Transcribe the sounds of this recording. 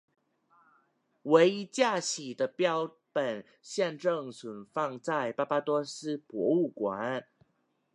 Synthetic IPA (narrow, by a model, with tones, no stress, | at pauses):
we˧˥ɪi˥t͡ɕja˥˩ɕi˨˩d̪ə˦pjɑ˥ʊ | pə˨˩n | ɕjɛ˥˧nʈ͡ʂɤ˥˩ŋswə˨˩nfɑ˥˧ŋt͡sa˥˩ɪpa˥pa˥t̪wɔ˥sɹ̩˥pwɔ̰˧˥u˥˩kwa˨˧˦n